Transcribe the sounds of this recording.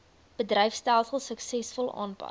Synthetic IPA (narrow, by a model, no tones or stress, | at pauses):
b̥ədrəjfstælˠsəlˠsəksɛsfɔlˠɑ̰ːnpɐ̰t